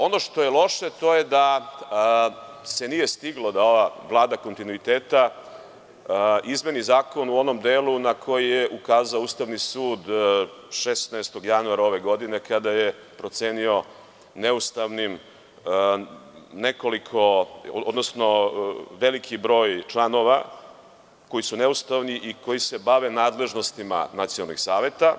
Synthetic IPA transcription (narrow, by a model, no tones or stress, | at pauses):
o̞no̞ʃt̪o̞je̞lˠo̞ʃe̞t̪o̞je̞d̪a | se̞nije̞st̪iɡlod̪ao̞ʋaʋlˠaːd̪ako̞nt̪inuit̪eːt̪a | ʔizme̞nizaːko̞nuo̞no̞md̪eːlˠunakʰo̞jijeʔukaːzaouːst̪aʋnisuːd̪ | ʃesnast̪o̞ɡjanuaɾao̞ʋeɡo̞d̪ine̞kad̪aje̞ | pɾo̞t̪seːnio̞ | neust̪aʋnim | ne̞ko̞likʰo̞od̪nosno̞ʋe̞likʰibɾo̞ːjt͡ʃlˠano̞ʋa | ko̞jisune̞ust̪aʋniʔiko̞jise̞baʋe̞naːd̪le̞ʒno̞st̪ima̰nat̪sionalˠniɡsaːʋe̞t̪a